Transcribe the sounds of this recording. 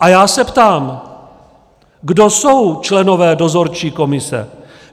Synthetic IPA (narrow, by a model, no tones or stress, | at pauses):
ʔajaːsɛpt̪aːm | ɡdo̞so̞wt͡ʃlɛno̞vɛːdo̞zo̞ɾt͡ʃiːko̞mɪsɛ̰